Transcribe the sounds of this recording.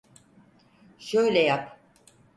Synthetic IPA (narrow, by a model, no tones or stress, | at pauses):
ʃø̞jlʲɛjap